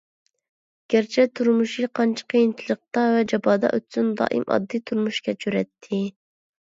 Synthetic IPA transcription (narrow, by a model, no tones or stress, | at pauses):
ɡ̥ʲæɾt͡ʃʰɛt̪ʰuɾmuʃiqʰɑnt͡ʃʰɑ̥qʰejint͡ʃʰilˠəq̚t̪ɑvɛd͡ʒɑbɑd̪ɑ̰ʔø̰t̪synd̪ɑ̰ːʔḭmɑ̰d̪ːit̪ʰuɾmuʃkʲɛt͡ʃʰøɾɛt̪ʰːɪ